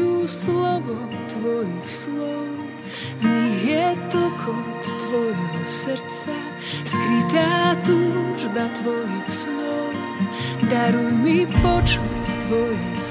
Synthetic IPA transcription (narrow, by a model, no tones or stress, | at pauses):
uslɔʋɔ | t̪ʋɔjuslɔw | ɲiɦjɛt̪l̩kʰɔt̪t̪ʋɔjɦɦɔsɾt͡sa | skɾit̪aːt̪uʒbat̪ʋɔjuslɔw | d̪aɾujmipɔt͡ʃuct̪ʋɔjɔs